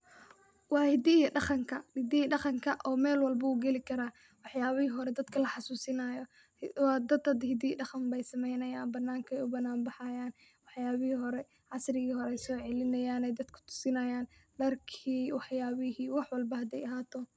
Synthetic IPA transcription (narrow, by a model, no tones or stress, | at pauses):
wɑːhɪd̪iɖɑχɑŋkʰɐɪd̪iɖɑχɑŋkʰɐʔɔːmɛːlwɑlbɐuːɡɛlɪkʰɐɾaː | wɑħjaːβɪhiːɦɔɾɛd̪ɐd̪kʰɐlɐħɑsuːsɪnɐjɔ | wɑːd̪ɐd̪ɐd̪hɪd̪iːɖɑχɐmbɛjsɐmɛjnɐjaːnbɐnːaːŋkʰɛjʊbɐnːaːmbɑħɑjaːn | wɑħjaːβɪhiːɦɔɾɛ | ʕɑsrɪɣiːhɔɾɛjsɔːʕɛlɪnɐjaːnɛjd̪ɐd̪kʰʊ̥t̪ʰʊ̥sɪnɐjaːnɖɐrkʰiːwɑħjaːβɪhiːwɑħwɑlbɐhɐd̪ɛjɐɦaːt̪ʰɔ